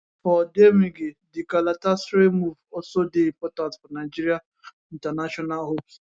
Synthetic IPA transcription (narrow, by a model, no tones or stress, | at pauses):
fɔdemiɡedɪkalatasɾemuvɔsodeimpɔtãntfɔnaɪd͡ʒiɾia | in̩tanaʃɔnalɦops